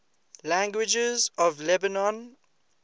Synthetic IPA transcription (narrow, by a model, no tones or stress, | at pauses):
læ̃ŋɡwɪd͡ʒəzɔvlɛbanɔ̃n